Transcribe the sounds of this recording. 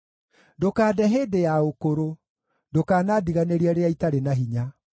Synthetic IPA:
dokaːdɛɦeːdejaokoɾo | dokaːnaːdiɣaneɾiaɾeaitaɾenaɦiɲa

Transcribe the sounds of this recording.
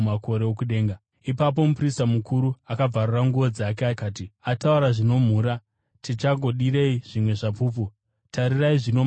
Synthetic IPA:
mako̞ɾe̞okuɗe̞ːŋɡa | ipap̬o̞mupristamukuɾuakab͡varuraŋɡuʋo̞d͡zak̬eakaːtiatauɾaʐino̞m̤uːɾa | tit͡ʃaɡʱo̞ɗiɾeiʐ̥imwe̞ʐapuːpu | tʰaɾiraiʐino̞

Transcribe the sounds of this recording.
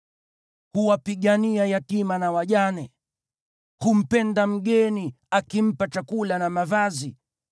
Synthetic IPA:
huwapiɠaniajatimanawaʄanɛ | hum̩pɛndam̩ɠɛni | akim̩pat͡ʃakulanamavazi

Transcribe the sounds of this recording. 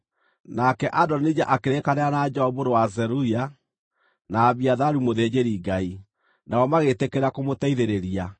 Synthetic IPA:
nakɛʔadɔnid͡ʒaʔakeɾekaneanad͡ʒɔɔβoɾowazɛɾuia | naːβiaðaɾumoðeːd͡ʑeɾiɡai | naɔmaɣetekeɾakomotaiðeɾeɾia

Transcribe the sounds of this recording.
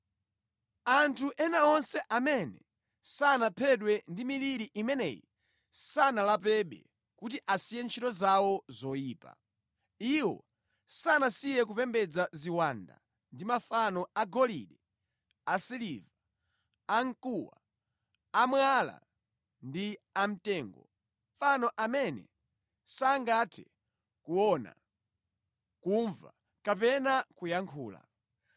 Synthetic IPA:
antʰuʔɛnaɔnsɛʔamɛnɛ̰ | sanapʰɛɗwɛndimiliɾiʔimɛnɛ̰ji | sanalap̬ɛɓɛ̰ | kutiʔasijɛnt͡ʃʰitɔzawɔzɔjiːpa̰ | iwɔ̰ | sanasijɛk̬upɛmbɛd͡zaziwanda̰ | ndimafanɔaɡɔliɗɛ | asiliva | aŋ̩kuwa | amwala̰ | ndiam̩tɛːŋɡɔ | fanɔʔamɛnɛ̰ | saːŋɡatʰɛ | kuwɔna̰ | kuɱva̰ | kapɛnakujaŋkʰuːla̰

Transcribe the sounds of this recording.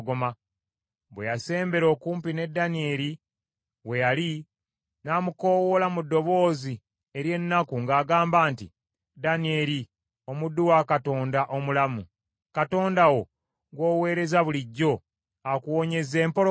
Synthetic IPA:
ɡoma | βwe̞̰jase̞ːmbe̞ɾo̞ːkuːmpine̞dːanie̞ɾi | we̞jali | naːmuko̞ːwolamudːo̞βo̞ːzi | e̞ɾje̞nːakuŋɡaːɡaːmbaːntḭ | danie̞ɾi | o̞mudːuwakato̞ːndaʔo̞mulamu | kato̞ːndawo̞ | ɡwo̞ːwe̞ːɾe̞zaβuliɟːo̞ | akuwo̞ɲe̞ze̞ːmpo̞

